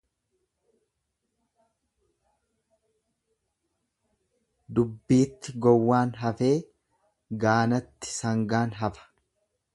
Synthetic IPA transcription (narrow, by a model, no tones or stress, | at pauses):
d̪ʊbːiːt̪ːɪɡɔwːaːnɦɐfe̞ː | ɡaːnɐt̪ːɪ̥sɐŋɡaːnɦɐfɐ̥